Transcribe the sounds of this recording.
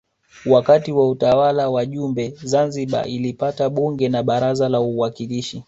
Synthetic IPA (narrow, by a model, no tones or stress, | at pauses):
wakatiwautawalawaʄumbɛzanziɓa̰ʔilipataɓuŋɡɛnaɓaɾazalauwakiliʃi